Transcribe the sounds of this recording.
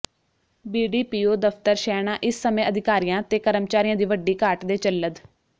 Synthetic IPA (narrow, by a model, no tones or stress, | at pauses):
biːɖiːpiːoːd̪əfʰt̪əɾʃɛːnãːʔɪsːəmẽːʔəd̪ʱɪkaːɾijãːt̪eːkəɾəmt͡ʃaːɾiːjãːd̪iːʋəɖiːkaːʈd̪eːt͡ʃəlːəd̪